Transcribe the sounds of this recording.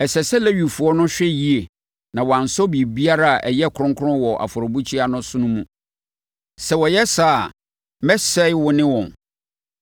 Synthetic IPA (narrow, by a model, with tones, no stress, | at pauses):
ɛ˨sɛ˨sɛ˦lɛ˦ɥi˨fu˨ɔ˦nʊ̃˦ɕᶣɛ˦ji˦e˨ | nã˨wɔ˨a˨n̩˨sɔ˦bi˨bi˦a˦ɾa˦a˨ʔɛ˨jɛ˦˨kʰʊ˨ɾʊ̃˦ŋkʰʊ˦ɾʊ̃˦wɔ˨ʔa̰˨fɔ˨ɾɔ˨bu˦t͡ɕʰi˦a˦nʊ̃˦sʊ̃˦nʊ̃˦mũ˦ | sɛ˨wɔ˨jɛ˦sa˦˨ | mɛ˦sɛ˦ɪ˦wʊ˦nɪ̃˦wɔ̃˨n